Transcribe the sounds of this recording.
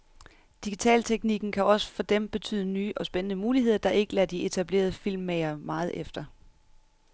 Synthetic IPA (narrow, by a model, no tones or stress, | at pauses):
d̥iɡ̥it͡sʰɛ̰ːlt͡sʰeɡ̥niɡ̥n̩kʰæɒ̽sə̥fɒ̽d̥emb̥e̝t͡sʰy̰ːð̞ˠənyːʔɒ̽sb̥enənəmuːliɦe̝ð̞̰ˠɐd̥ɑ̈ʔe̝ɡ̥əlæd̥ie̝t͡sʰæb̥le̝̰ːɐðˠəfil̰mːeɪɐmɑ̈ːð̩ˠʔefd̥ɐ